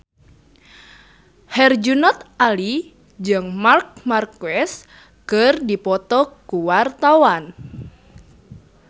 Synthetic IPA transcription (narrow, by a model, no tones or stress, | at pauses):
hɛrd͡ʒunɔt̪̚ʔali | d͡ʒɨŋmark̚markɛs | kərdipɔt̪ɔkuwart̪awan